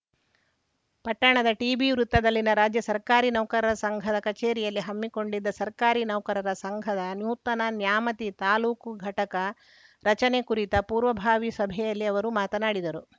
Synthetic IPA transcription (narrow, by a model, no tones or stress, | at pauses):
pɐʈːɐɳɐd̪ɐʈiːbiʋɾut̪ːɐd̪ɐlːinɐɾaːd͡ʒjɐsɐɾkaːɾinɐwkɐɾɐɾɐsɐŋɡʱɐd̪ɐkɐt͡ʃeːɾijɐlːiɦɐmːiko̞ɳɖid̪ːɐsɐɾkaːɾinɐʋkɐɾɐɾɐsɐŋɡʱɐd̪ɐnjuːt̪ɐnɐnjaːmɐt̪it̪aːluːkɡʱɐʈɐkɐ | ɾɐt͡ʃɐnekuɾit̪ɐpuːɾʋɐbʱaːʋisɐbʱɛjɐlːiɐʋɐɾumaːt̪ɐnaːɽid̪ɐɾu